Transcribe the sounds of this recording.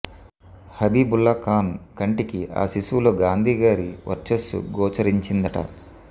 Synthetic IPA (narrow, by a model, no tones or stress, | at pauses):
hɐbiːbulːɐkaːnkɐɳʈikiʔa̰ːsisuloːɡaːnd̪ʱiːɡaːɾiʋɐ̰ɾt͡ʃɐsṵɡɔːt͡ʃɐɾiɲt͡ʃind̪ɐʈɐ̰